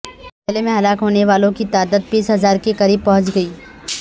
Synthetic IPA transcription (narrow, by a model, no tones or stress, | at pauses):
ɪlemẽɦɐlaːkɦoːneʋaːlõkit̪aːd̪əd̪̚biːsɦɐzaːɾkekɐɾiːb̚pɐɦʊ̃t͡ʃɡɐiː